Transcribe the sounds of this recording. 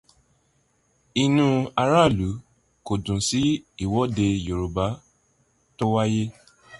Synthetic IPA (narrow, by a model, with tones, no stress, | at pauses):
i˧nũ˧a˧ɾa˦˨lu˨˦ | ko˨dũ˨si˨˦i˦˨wɔ˨˦de˧jo˨ɾo˨ba˨˦ | to˦wa˦je˦